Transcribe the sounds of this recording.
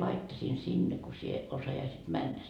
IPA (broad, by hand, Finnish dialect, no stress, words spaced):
lɑitːɑsiːn sinːe ko sie osɑjɑisit mænːæ